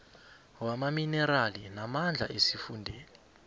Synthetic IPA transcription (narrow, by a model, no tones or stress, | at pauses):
wamaminɛɾalinamand͡ɮʱa̰ʔesifundʱeːli